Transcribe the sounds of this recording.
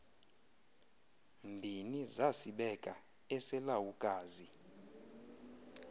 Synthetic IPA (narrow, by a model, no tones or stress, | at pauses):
mbʱinizasiɓɛkʼa | ɛsɛlawukʼaːzi